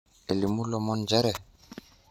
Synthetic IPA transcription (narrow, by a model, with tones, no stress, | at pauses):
e˨li˨mu˦lɔ˨mɔ˦nd͡ʒɛ˦ɾɛ˨